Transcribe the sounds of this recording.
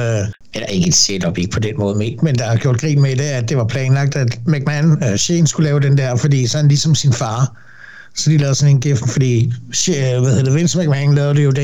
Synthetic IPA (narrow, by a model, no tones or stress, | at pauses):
edæɐe̝ɡ̥əd̥seːd̥ɒ̽b̥e̝ɡ̥ə̥pʰɒ̽d̥enmɔ̽ːð̞̩ˠmemend̥ɑ̈hɑɡ̥jo̝ɐ̰d̥̚ɡʁḭːmed̥e̝æ̥d̥e̝ʋɑ̈pʰlɛːnlɑ̈ɡ̥̚d̥æd̥mæɡ̥̚mænɕeːn̩sɡ̥ulɛːʊd̥end̥æɐ̰fɒ̽d̥ḭːsɒ̽ænlisɒ̽msinfɑ̈ː | sɒ̽d̥ilɛːð̩ˠsɒ̽nenɡ̥ef̩fɒd̥ḭː | ʋæðhe̝ðɐd̥eʋensmæɡ̥mænlɛːʊd̥e̝jo̝d̥e